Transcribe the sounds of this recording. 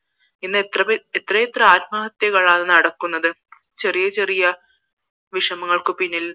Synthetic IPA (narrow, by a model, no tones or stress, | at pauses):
inːɨt̪rɐet̪ːrɐjet̪rɐaːt̪̚mɐːɦɐt̪jɐkɐɭaːnɐnɐɽɐkːunːɐðɨ | t͡ɕerijɐt͡ɕerijɐ | ʋiʂɐmɐŋːɐɭkɨpinːil